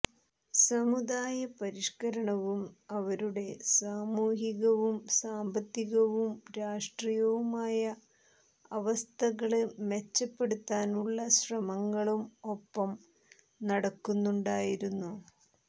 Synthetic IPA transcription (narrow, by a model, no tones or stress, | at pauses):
sɐmud̪aːjɐpɐɾiʂkɐɾɐɳɐʋumɐʋɐɾuɽe̞saːmuːɦiɣɐʋumsaːmbɐt̪ːiɣɐʋumɾaːʂʈrijɐʋumaːjɐ | ɐʋɐst̪ʰɐɣɐɭmet͡ɕːɐpːe̞ɽut̪ːaːnuɭːɐɕrɐmɐŋːɐɭumo̞pːɐm | nɐɽɐkːunːuɳɖaːjiɾunːu